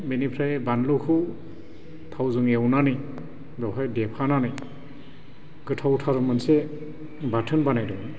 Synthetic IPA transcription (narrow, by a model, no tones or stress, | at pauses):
benipʰɾajbanlukʰu | tʰawzɯŋewnanɯj | bɔpʰajdɛpʰananɯj | ɡɯtʰawtʰaɾɯmanse | batʰɯnbanajdɯŋ